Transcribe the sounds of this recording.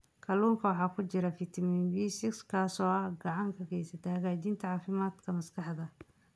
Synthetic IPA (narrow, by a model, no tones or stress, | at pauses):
kʰɐluːŋkʰɐwɑħɑːkʰʊt͡ʃɪɾɐfɪt̪ʰɐmɪnbiːsɪkskʰaːsɔːɐhɡɑʕɑŋkʰɐkʰɛjsɐt̪ʰɐhɐɣaːt͡ʃiːnt̪ʰɐʕɑːfɪmaːd̪kʰɐmɐskɑħd̪ɐ